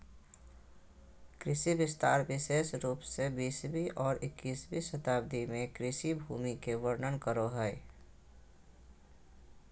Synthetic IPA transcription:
kɾɪʃibɪst̪aːɾʋɪʃeːʃɾuːpsebiːsbʱiʔɔːɾɪkːiːsbʱiʃət̪aːb̚d̪imẽkɾɪʃibʱuːmikeʋəɾnənkəɾoɦɛ

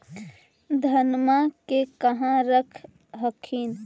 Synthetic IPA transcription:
d̪ʱənmakekəɦãɾəkʰ | ɦəkʰin

